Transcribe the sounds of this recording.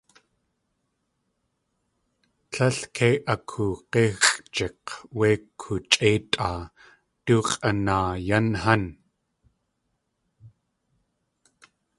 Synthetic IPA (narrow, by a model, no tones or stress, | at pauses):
ɬʰɐɬkʰeːʔɐkʰuqexɬʼt͡ʃɛqweːkʰːut͡ʃʼeːt̪ʼʔaː | tuqʼɐnaːjanhɐn